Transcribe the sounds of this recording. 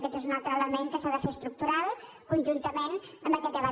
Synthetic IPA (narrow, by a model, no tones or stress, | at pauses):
kɛt̪ezunalˠt̪ɾələmeŋkəsaðəfest̪ɾuk̚t̪uɾalˠ | kunʲʒunt̪əmenəmbəkɛt̪əβa